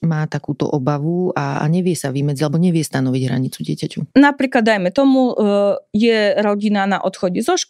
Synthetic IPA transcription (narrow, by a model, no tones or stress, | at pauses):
maːt̪akuːt̪ɔ̰ʔɔbaʋua̰ɲɛʋɪɛsaʋimɛd͡ziɟalɛbɔɲɛʋɪɛst̪anɔʋiɟɦɾa̰ɲit͡suɟɪɛcacunapɾiːklad̪ːajmɛt̪ɔmu | jɛɾɔɟinanaʔɔt̪xɔɟɛzɔʃk